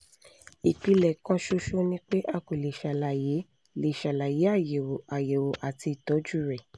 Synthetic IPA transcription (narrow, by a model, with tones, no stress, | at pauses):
i˨k͡pi˧lɛ˨kɔ̃˦ʃo˧˦ʃo˦nĩ˦k͡pe˦ʔa˧ko˨le˨ʃa˨la˨je˨˦ | le˨ʃa˨la˨je˨˦a˦˨je˨wo˨a˨je˨wo˨ʔa˨ti˧˨tɔ˨˦d͡ʒu˦˨ɾɛ˨